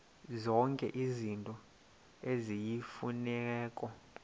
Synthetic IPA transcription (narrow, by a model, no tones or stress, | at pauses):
zɔŋkʼɛ̰ʔizintʼɔ | ezijifunɛːkʼɔ